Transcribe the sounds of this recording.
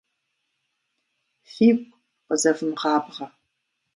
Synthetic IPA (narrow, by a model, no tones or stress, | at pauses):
fiːkʷʼ | qəzɐfɨmqɑːbʁɐ